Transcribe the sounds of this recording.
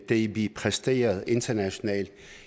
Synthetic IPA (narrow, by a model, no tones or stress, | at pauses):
d̥ebipʰʁɛsd̥e̝̰ːɐð̞̩ˠe̝nd̥ɐnæɕo̝nɛ̰ːld̥